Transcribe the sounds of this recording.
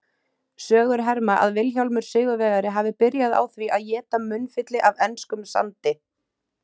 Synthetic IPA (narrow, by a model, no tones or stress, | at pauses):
sœːɣʏɾ̥ɦɛɾmaʔa̰ðvɪlçawlmʏɾ̥sʏːɣʏvɛːɣaɾɪɦaːvɪpɪɾjaða̰wθviʔaðjɛːt̪amʏnːfɪt̪lɪʔavɛnskʏmsa̰nt̪ɪ